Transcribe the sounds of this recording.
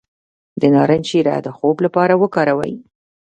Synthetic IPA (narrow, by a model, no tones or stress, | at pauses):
d̪ənɑɾənt͡ʃiɾa̰d̪əxoblapɑɾawəkɑɾawə̰j